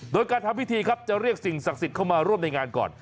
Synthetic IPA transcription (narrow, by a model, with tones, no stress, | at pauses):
doː˧jkaː˧nt̪ʰa˧mpi˦˥t̪ʰiː˧kʰa˦˥p̚t͡ɕa˨˩ɾi˥˩ək̚si˨˩ŋsa˨˩k̚si˨˩t̪̚kʰa˥˩wmaː˧ɾu˥˩əmna˧jŋaː˧nkɔ̰ː˨˩n